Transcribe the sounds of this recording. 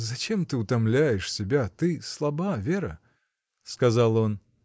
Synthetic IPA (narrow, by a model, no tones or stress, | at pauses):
zɐt͡ɕʲɛmt̪ɨut̪amlʲæjɛʂsʲɪbʲat̪ɨslˠabavʲeɾɐ̰ | skazalˠɔn